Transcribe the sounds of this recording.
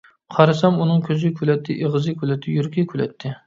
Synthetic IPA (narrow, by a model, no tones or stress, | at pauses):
qʰɑɾɨsɑmunɨŋkʲʰøzɪkʲʰylɛt̪ʰːɪʔeʁɨzɪkʲylɛt̪ʰːɪjyɾkʲʰikʲʰylɛt̪ʰːɪ